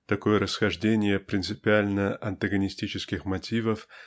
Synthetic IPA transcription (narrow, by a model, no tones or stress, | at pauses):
t̪ɐko̞jəɾəsxɐʐdʲenʲɪjəpɾʲɪnt̪sɨpʲɪalʲnəʔɐnt̪əɡənʲɪsʲtʲit͡ɕɪskʲɪxmɐtʲivəf